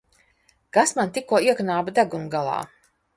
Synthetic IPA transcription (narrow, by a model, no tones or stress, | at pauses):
kasmant̪ikuɔiɛknaːbad̪aɡumɡalˠɑ̰ː